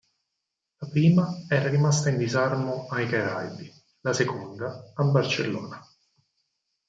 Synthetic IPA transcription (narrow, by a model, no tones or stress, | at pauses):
lapɾiːmaɛːɾaɾimast̪aind̪izarmoajkaɾajd̪i | lasekond̪aːbːart͡ʃelːɔ̰ːna